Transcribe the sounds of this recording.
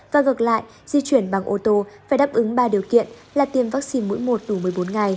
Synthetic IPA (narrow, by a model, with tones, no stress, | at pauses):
vaː˨˩ŋɨ˨˩k̚la̰ː˧˨j | zi˧t͡ɕwi˧˩ənɓa˨˩ŋʔo˧t̪o˧faː˧˩jɗa˦˥p̚ʔɨ˨˦ŋɓaː˧ɗi˨˩əwkḭ˧˨ən | laː˨˩t̪i˧əmvaː˦˥k̚si˧nmṵ˧˥jmo˨˩t̚ɗu˧˩mɨ˨˩əjɓo˨˦nŋa˨˩j